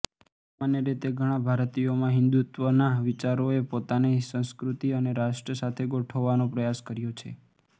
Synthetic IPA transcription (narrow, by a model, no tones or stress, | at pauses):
samanjəɾit̪eɡʱəɽ̃ãbʱaɾt̪ijomãɦɪnd̪ut̪ʋənaʋɪt͡ʃaɾoepot̪anisə̃skɾut̪iəneɾaʃʈɾəsat̪ʰeɡoʈʰəʋːanõpɾəjaskəɾjot͡ʃʰe